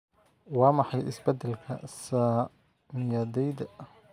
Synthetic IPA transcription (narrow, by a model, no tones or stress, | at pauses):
wɑːmɑħɑjʔɪsbɛd̪ɛlkʰɐ̰sa | mɪjaːd̪ɛjd̪ɐ